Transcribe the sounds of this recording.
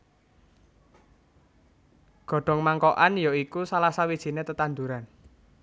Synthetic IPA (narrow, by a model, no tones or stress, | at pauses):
ɡ̥ɔ̤ɖ̥ɔ̤ŋmaŋkɔʔanjɔikusalasawid̥ʒ̥i̤net̪ət̪and̪uɾan